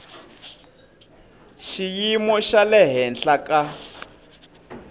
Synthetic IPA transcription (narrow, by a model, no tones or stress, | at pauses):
ʃijimɔʃalɛɦɛnɬaka